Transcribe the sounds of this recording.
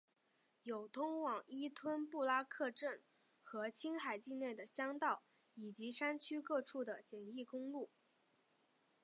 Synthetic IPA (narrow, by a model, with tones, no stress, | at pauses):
jo˨˩ʊt̪ʰʊ˥ŋwɑ˨˩ŋi˥t̪ʰwə˥npu˥˩la˥kʰɤ˥˧ʈ͡ʂə˥˩n | xɤ˧˥t͡ɕʰi˥ŋxa˨˩ɪt͡ɕi˥˧ne˥˩ɪd̪ə˩ɕjɑ˥ŋt̪ɑ˥˩ʊ | i˨˩t͡ɕi˧˥ʂa˥nt͡ɕʰy˥kɤ˥˧ʈ͡ʂʰu˥˩d̪ə˩t͡ɕjɛ˨˩ni˥˩kʊ˥ŋlu˥˩